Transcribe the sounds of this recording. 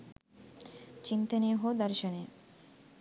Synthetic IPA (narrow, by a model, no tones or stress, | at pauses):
t͡ɕint̪eneɦod̪aɾʃone